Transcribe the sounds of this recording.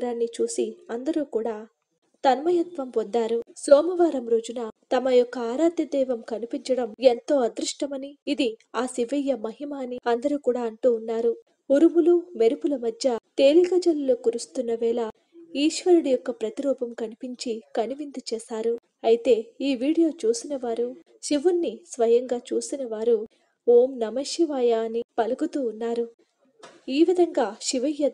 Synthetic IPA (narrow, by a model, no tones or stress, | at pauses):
ɾaːnːit͡ʃuːsiɐnd̪ɐɾuːkuːɽaː | t̪ɐnmɐjɐt̪ʋɐmpond̪aːɾusoːmɐʋaːɾɐmɾoːd͡ʒunat̪ɐmɐjɔkːɐaːɾaːd̪jɐd̪ɛːʋɐmkɐnipiɲt͡ʃɐɽɐment̪o̞ːɐd̪ɾuʂʈɐmɐniːd̪iaːsiʋɐjːɐmɐɦimaːniɐnd̪ɐɾuːkuːɽaːɐɳʈuːnːaːɾu | uɾumulume̞ɾupulɐmɐd̪ʱjɐt̪eːlikɐd͡ʒɐlloːkuɾust̪unːɐʋɛːlɐ | iːʃʋɐɾuɽijɔkːɐpɾɐt̪iɾɔːpɐmkɐnipiɲt͡ʃikɐniʋint̪ut͡ʃɛːʃaːɾu | ɐjit̪e̞ːiːʋiːɽijo̞ːt͡ʃuːsinɐʋaːɾu | ʃiʋunːisʋɐjɐŋɡaːt͡ʃuːsinɐʋaːɾu | oːmnɐmɐʃiʋaːjaːnipɐlɐɡut̪uːnːaːɾu | iːʋid̪ʱɐŋɡaːʃiʋɐjːɐ